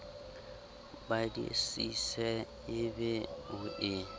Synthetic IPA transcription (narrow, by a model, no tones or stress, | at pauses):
badḭsisɛ | ɪbɛʊʔɪ